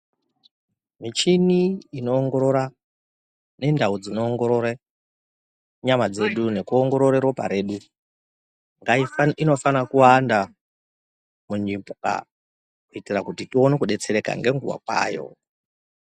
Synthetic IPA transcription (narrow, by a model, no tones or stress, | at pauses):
mit͡ʃiniino̞ːŋɡo̞ɾo̞ɾa | ne̞ndaud͡zino̞ːŋɡo̞ɾo̞ɾe | ɲamad͡ze̞ɗune̞kuoŋɡo̞ɾo̞ɾeɾopa̰ɾe̞ɗu | ŋɡaiino̞fanakuwanda | muɲipka̰ | kuitirakutitionekuɗe̞t͡se̞ɾe̞ka̰ŋɡe̞ŋɡuwa̰kwa̰ːjo̞̰